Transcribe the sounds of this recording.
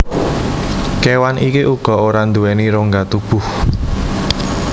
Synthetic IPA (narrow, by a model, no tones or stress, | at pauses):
kewanʔikeʔuɡ̥ɔ̤oɾand̪uwɛniɾoŋɡat̪ub̥ʊ̤h